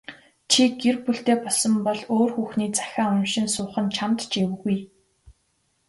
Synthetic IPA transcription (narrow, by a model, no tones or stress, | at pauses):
t͡ɕʰiɡerpuɬt̪eːpɔɮsɞ̆mpɔɮoːrxuːxniːt͡sḁxʲaːʊmʃɪ̆nsʊːχə̆nt͡ɕʰamt̪t͡ɕewɣuj